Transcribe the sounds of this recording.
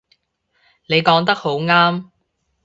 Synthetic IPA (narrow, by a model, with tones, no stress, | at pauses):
ne˨˧jkɔː˨˥ŋt̪ɐ˥k̚ho˨˥wŋaː˥m